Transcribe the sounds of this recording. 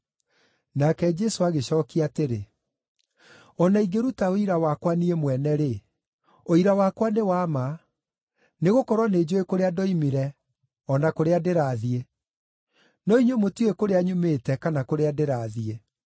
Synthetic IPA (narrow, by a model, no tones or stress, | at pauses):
nakɛd͡ʒɛsoaɣeɕɔkiateɾe | ɔnaiɡeɾutaoiɾawakwaniemwɛnɛɾe | oiɾawakwanewama | neɣokɔɾwaneːd͡ʑoekoɾeadɔimiɾɛ | ɔnakoɾeadeɾaːðie | nɔiɲomotiekoɾeaɲumeːtɛkanakoɾeadeɾaːðie